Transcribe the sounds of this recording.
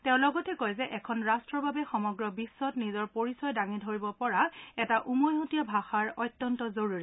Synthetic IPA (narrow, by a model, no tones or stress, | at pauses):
teʊ̃lɔɡɔtɛkojzɛʔɛkʰɔnɹastɹɔbabɛxɔmɔɡɹɔbisːɔtnizɔɹpoɹisɔjdaŋidʱoɹibɔpɔɹaɛtaʔumɔjɦutijɔbʱaxaɹɔjtːɔntɔzoɹuɹi